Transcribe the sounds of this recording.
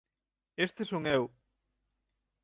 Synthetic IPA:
est̪esuŋew

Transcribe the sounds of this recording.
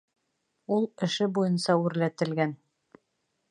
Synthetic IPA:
ulˠɘ̆ʃɘbujɤnsɑʉɾlæt̪ɘ̆lɡæn

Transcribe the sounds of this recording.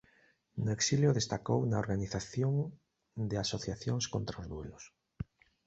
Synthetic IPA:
nʊeksiljʊðest̪akownaoɾɣaniθaθjoŋ | d̪easoθjaθjoŋskont̪ɾaozðwelʊs

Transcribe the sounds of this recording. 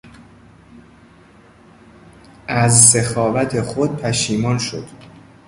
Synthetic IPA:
ʔæzsexɒːvæt̪ʰexod̪̥̚pʰæʃiːmɒːnʃo̰d̪̥

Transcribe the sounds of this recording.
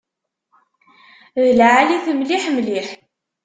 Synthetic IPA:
ðəlʕaliθəmliħmliħ

